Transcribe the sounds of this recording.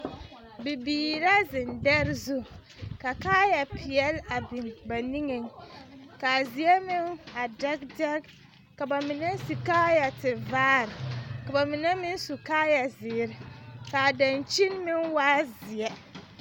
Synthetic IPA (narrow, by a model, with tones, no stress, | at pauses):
bi˨biː˨ɾa˦zɪ˨ndɛ˦ɾzu˦ | ka˨kaː˦ja˨pʰɪ˨ɛ˦la˨bi˨mba˨ni˦ŋe˨ŋka˨zi˨ɛ˦mɪ˦na˨dɛ˦ɡ̚dɛ˦k | ka˨ba˨mi˨nɛ˦si˨kaː˦ja˨tɪ˨vaː˦ɾɪ˨ka˨ba˨mɪ˨nɛ˦mɪ˦n˦su˨kaː˦ja˨zɪː˨˦ɾɪ˨ka˨da˨nt͡ʃi˦nmɪ˦nwaː˦zi˨ɛ˦